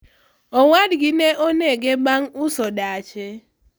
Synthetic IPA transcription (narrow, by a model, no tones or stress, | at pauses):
ɔwadɡɪneʔoneɡeɡ͡baŋʊsɔdat͡ʃe